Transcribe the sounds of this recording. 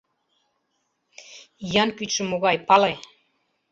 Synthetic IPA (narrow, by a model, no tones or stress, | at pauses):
jɑnkyt̪ʃə̆moɣɑjpɑle